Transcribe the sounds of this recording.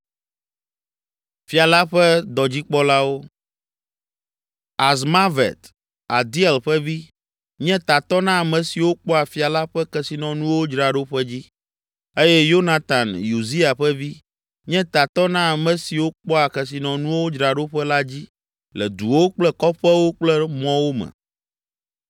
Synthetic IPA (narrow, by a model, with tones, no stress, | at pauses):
fi˦a˨la˦ɸɛ˦d̪ɔ˨d͡ʑi˦k͡pɔ˦la˦wo˦ | a˨zma˦vɛ̰˨t̪ | a˨d̪i˦ɛ˨lɸɛ˦vi˦ | ɲɛ̃˦t̪a˨t̪ɔ˦nã˦a˨mɛ̃˨si˨wo˦k͡pɔ˦a˨fi˨a˨la˦ɸɛ˦kɛ˨si˨nɔ̃˨nũ˦wo˦d͡ʒɾa˨ɖo˦ɸɛ˦d͡ʑi˦ | e˦jɛ˦jo˦na˨t̪a˨nju˨zi˦a˨ɸɛ˦vi˦ | ɲɛ̃˦t̪a˨t̪ɔ˦nã˦a˨mɛ̃˨si˨wo˦k͡pɔ˦a˨kɛ˨s̬i˨nɔ̃˨nũ˦wo˦d͡ʒɾa˨ɖo˦ɸɛ˦la˦d͡ʑi˦ | lɛ˨d̪u˨wo˦k͡plɛ˦kɔ˦ɸɛ˦wo˦k͡plɛ˦mɔ̃˦wo˦mɛ̰˨